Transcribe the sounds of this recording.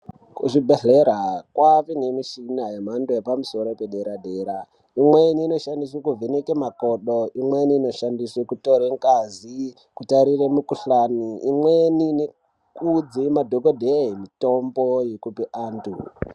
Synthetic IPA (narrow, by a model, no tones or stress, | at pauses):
kuʐibʱeɮeɾakwaʋinemiʃinajem̤andojepamuso̞ɾo̞pe̞ɗe̞ɾadʱe̞ːɾa | imweniːno̞ʃandiswekuvʱenekemakoɗoʔimwe̞niːno̞ʃandiswekutoɾeŋkazi | kutaɾiremukuɬaniimwenine | kud͡zimadʱoɡodʱemito̞mbojekupeʔaːntṵ